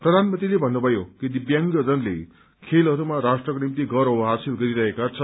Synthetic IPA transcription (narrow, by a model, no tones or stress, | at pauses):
pɾʌd̪ʱanmənt̪ɾilebʱʌnːubʱʌjokid̪ibjaŋɡʌd͡zʌnlḛ | kʰelɦʌɾumaɾasʈrʌkonimt̪̬iɡʌɾɦobʌɦasilɡʌɾiɾʌɦekat͡sʰʌ